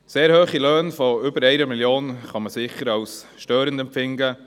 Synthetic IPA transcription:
seːɾhøːχiløːnfɔʏbəɾɛɪnəmiljoːnχɑməsɪχəɾɑws | ʃtøːɾəndɛmpfɪŋɡə

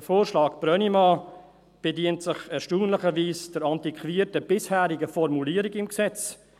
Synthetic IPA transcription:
əfoːɾʃlɑːɡb̥ɾœnimɑ | b̥ediəntsɪχɛɾʃtuːnləχəviːsd̥əɾɑntikχviːətəb̥ɪshæːɾɪɡəfɔɾmuliːəɾɪɡɪmksɛt͡s

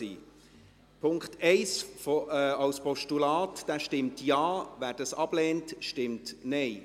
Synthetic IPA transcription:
iː | pʰʊŋktʰɛɪsfoɑʊspɔʃtulaːtd̥æʃtɪmtjɑːvæːɾd̥əsɑb̥leːntʃtɪmtnɛɪ

